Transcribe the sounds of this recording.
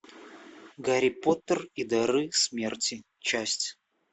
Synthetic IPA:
ɡɐɾʲipot̪ərid̪ɐɾɨsmʲertʲi | t͡ɕasʲtʲ

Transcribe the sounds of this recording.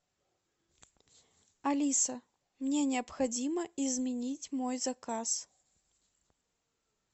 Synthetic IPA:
alʲisɐ | mnʲɛnʲɛɐpxad͡zʲimɐizʲmʲɛnʲit͡sʲmɔjzakas

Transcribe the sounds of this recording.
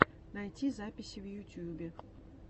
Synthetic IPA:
nɐjtʲizapʲɪsʲivjʊtʲjubʲɪ

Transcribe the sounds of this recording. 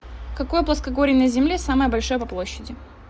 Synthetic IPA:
kɐko̞jəplˠɐskɐɡo̞ɾʲɪjnəzʲɪmlʲesaməjəbɐlʲʂo̞jəpɐplˠo̞ɕːɪdʲɪ

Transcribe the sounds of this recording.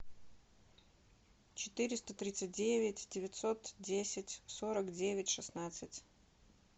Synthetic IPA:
t͡ɕɪt̪ɨɾʲɪst̪ət̪ɾʲit̪sɨt̚ʲdʲevʲɪtʲdʲɪvʲɪt̪ʲsot̪dʲesʲɪtʲsoɾəkdʲevʲɪtʲʂɨsnat̪sɨtʲ

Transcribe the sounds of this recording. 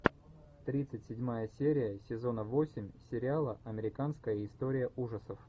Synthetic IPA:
t̪ɾʲit̪sɨtʲsʲɪdʲmajəsʲeɾʲɪjəsʲɪzo̞nəvo̞sʲɪmʲsʲɪɾʲɪalˠəʔɐmʲɪɾʲɪkanskəjəɪst̪oɾʲɪjəuʐəsəf

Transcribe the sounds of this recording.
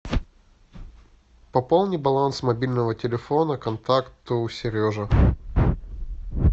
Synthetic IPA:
pɐpolˠnʲɪbɐlˠansmɐbʲilʲnəvətʲɪlʲɪfo̞nəkɐnt̪akt̪ʊsʲɪɾʲjoʐə

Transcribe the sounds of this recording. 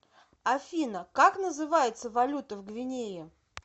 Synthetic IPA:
ɐfʲinəkaknəzɨvajɪt̪səvɐlʲut̪əvɡvʲɪnʲejɪ

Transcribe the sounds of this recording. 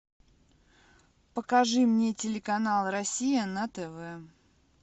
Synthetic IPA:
pəkɐʐɨmnʲetʲɪlʲɪkɐnalˠrɐsʲijənət̪ɛvɛ

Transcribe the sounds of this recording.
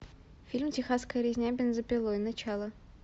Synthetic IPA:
fʲilʲmtʲɪxaskəjəɾʲɪzʲnʲabʲɪnzəpʲɪlˠoinɐt͡ɕalˠə

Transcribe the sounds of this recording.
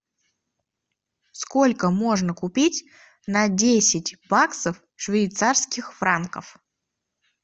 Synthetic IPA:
sko̞lʲkəmo̞ʐnəkʊpʲitʲ | nɐdʲesʲɪtʲbaksəf | ʂvʲɪjt̪sarskʲɪxfɾankə̰f

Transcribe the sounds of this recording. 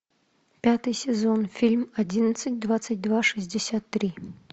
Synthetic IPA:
pʲat̪ɨjsʲɛzɔnfʲilʲmad͡zʲinɐt̪sət͡sʲd̪vat̪sːəd͡zʲd̪vaʂɨzʲd͡zʲɛsʲat̪ːɾi

